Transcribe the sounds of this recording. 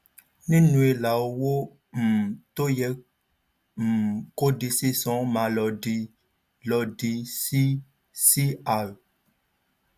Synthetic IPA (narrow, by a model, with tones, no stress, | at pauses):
nĩ˦nũ˨˦e˨la˨wo˦wo˦ | m̩˨t̪o˦jɛ˨˦ | m̩˨ko˦ɖi˨se˦sɔ̃˨˦mã˨lɔ˨ɖi˨ | lɔ˨ɖi˨si˦ | si˦a˨